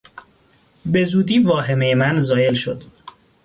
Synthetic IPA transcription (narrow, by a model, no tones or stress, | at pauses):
be̞zuːd̪iːvɒːɦe̞me̞jemænzɒːje̞lʃo̞̰d̪̥